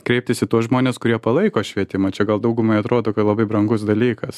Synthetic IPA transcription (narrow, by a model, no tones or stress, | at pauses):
kɾʲɛɪp̚t̪ʲɪsɪt̪uɔsʒmoːnʲeːskʊɾʲiɛpɐlˠɐɪkoːʃʲʋʲiɛt̪ʲɪmɐːt͡ʃʲɛɡɐlˠd̪ɐʊɡʊmɐɪɐt̪ɾoːd̪oːkɐt̪lˠɐbɐɪbɾɐŋɡʊsd̪ɐlʲiːkɐs